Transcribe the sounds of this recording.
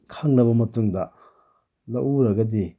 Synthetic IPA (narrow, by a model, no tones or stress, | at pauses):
kʰaŋnɐbɐmɐtuŋdɐ | nɐ̰ʔuɾɐɡɐdi